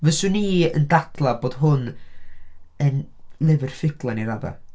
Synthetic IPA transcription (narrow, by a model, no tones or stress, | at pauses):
vɛsʊniːəndatʰlˠaboːd̥ɦʊn | ənlˠɛvɪrfɪɡlˠaniɾaða̰